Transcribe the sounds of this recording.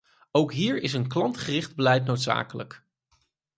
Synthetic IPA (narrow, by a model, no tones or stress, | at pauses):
owkɦiːɹɪsənklɑntχərɪχd̚bəlɛjt̬nowtsa̰ːkələ̰k